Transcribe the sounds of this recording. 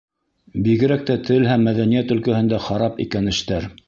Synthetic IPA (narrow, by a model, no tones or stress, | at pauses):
biɣɘ̆ɾæk̚t̪æt̪ʰɘlɦæmːæðænijæt̪ɵ̆lkæhɘ̆nd̪æχɑɾɑpḭkænɘ̆ʃt̪æɾ